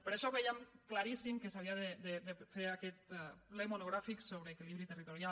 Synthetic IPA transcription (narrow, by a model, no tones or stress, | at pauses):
peɾeʃoβejamklaɾisimkesaβ̞iaðed̪ed̪efeɾakɛt̪̚plejmonoɣ̞ɾafiksoβɾeːkiliβɾit̪erit̪oɾja